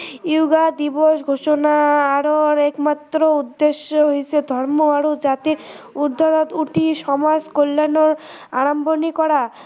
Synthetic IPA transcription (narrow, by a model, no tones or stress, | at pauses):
iwɡad̪iboʃɡʱoʃonaaɾoɾɛkmat̪ːɾoud̪ːeʃoɦiʃed̪ʱɔɾmoaɾod͡ʑat̪iɾ | ud̪ʱːaɾot̪uʈʰiʃɔmaskolːanoɾ | aɽambʱonikɔɽa